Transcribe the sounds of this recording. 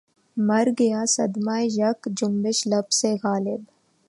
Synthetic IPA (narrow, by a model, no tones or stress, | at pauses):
mɐɾɡɐjasɐd̪maːjʒɐkd͡ʒʊmbɪʃlɐbseɣaːlɪb